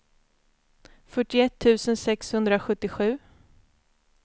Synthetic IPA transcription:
fœʈːɪɛt̪ʰːʉ̟ːsənsɛkshɵnd̪ɾaɧɵt̪ːɪɧʉ̟ː

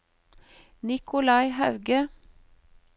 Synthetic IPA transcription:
nɪkʰʊlɑɪhɑʉɡə

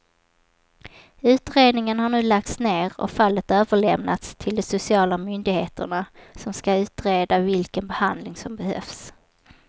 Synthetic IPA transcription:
ʉ̟ːt̪ɾeːd̪nɪŋənhaɳʉ̟ːlak̚t̪sneːɾɔ̰falːət̪øːvəɭɛmnat̪st̪ʰɪld̪ɛsʊsɪɑːlamʏnd̪ɪɡheːt̪ə̰ɳasɔmskaʉ̟ːt̪ɾeːd̪avɪlkənbɛhand̪lɪŋsɔmbɛhœ̰fs

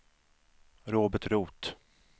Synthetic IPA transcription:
ɾoːbəʈɾuːt̪

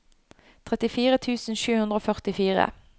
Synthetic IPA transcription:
t̪ʰʁɛt̪ɪfiːʁət̪ʰʉːsn̩ʃʉːhʉnd̪ʁəoːfœʁt̪ɪfiːʁə̰

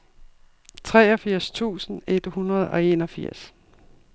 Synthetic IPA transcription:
t͡sʰʁɛːɒ̽fiɐ̰st͡sʰṵːsn̩ed̥hunɐð̞ˠɒ̽e̝nɒfiɐ̰s

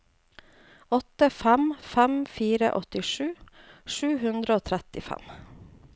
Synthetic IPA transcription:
ɔt̪əfæmfæmfiːɾə̰ʔɔt̪ɪʂʉːʃʉːhʉnd̪ɾəoːt̪ʰɾɛt̪ɪfæ̰m

